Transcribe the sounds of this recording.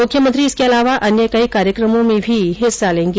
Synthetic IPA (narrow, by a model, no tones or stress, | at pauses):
ʊkʰjəmə̃nt̪ɾiɪskeɐlaːʋaʔɐnjəkɐikaːɾjəkɾəmõmẽbʱiɦɪsːalẽːŋɡe